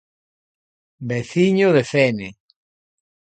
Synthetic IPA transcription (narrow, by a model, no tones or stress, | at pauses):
beθiɲoðefene